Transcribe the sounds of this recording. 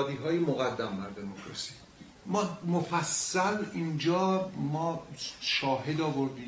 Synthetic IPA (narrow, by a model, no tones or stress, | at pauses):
d̪iːɦɒːjemoɣæd̪ːæmːæɾd̪omukɾosi̥ | mɒːmofæsːælind͡ʒɒːmɒːʃɒːɦe̞d̪ɒːvoɾd̪iː